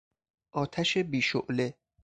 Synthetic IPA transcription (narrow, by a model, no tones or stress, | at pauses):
ʔɒːt̪ʰæʃebiːʃoʔle